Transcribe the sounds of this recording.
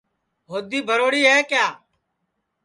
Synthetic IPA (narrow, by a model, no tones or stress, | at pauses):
ɦoːd̪iːbʱəɾoːɽiːɛːkjaː